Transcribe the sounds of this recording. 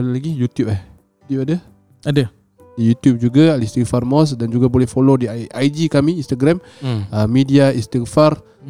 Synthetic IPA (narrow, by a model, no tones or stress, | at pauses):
alalaɡijut̪jup̚ah | jut̪jup̚adə | ʔadə | dijut̪jup̚d͡ʒuɡaalist̪iŋfarmɔs̬dand͡ʒuɡabolɛhfolodiʔajd͡ʒikamiːnst̪aɡɾam | amidiainst̪iŋfar